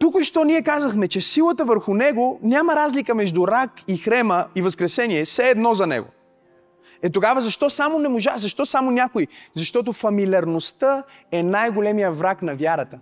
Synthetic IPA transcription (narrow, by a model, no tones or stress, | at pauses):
t̪ukʃt̪ɔnʲiɛkazəxmɛt͡ʃɛsilˠət̪əvəɾxʊnɛɡonʲaməɾazlikəmɛʒd̪uɾakixɾɛməivɐskɾɛsɛniɛsɛɛːd̪nɔzɐnɛ̰ɡo̰ | ɛt̪oɡavəzɐʃt̪ɔsamonɛmoʒazɐʃt̪ɔsamonʲakoizɐʃt̪ɔt̪̬ofɐmilʲɐɾnost̪əɛnajɡolɛmijəvɾaknɐvjaɾət̪ə